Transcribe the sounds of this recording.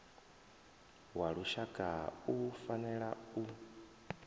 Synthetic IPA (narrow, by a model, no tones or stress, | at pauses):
waɺuʃakʼaufanɛɺau